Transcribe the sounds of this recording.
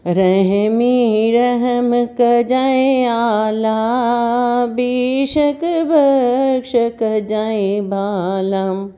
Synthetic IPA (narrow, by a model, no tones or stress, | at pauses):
ɾɐɦmiɾɐɦmkɐd͡ʒaẽala | biʃɐkbʱɐkʂɐkɐd͡ʒaibʱalam